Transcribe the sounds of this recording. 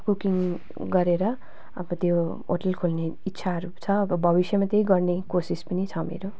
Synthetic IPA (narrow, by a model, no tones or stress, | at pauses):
kukiŋ | ɡʌɾeɾʌ | ʌ̰bʌt̪jo | o̰ʈʌlkʰolneitːsʰaɦʌɾut͡sʰʌːbʌbʱʌbisjʌmat̪ejɡʌrnekosispʌnit͡sʰʌmḛɾo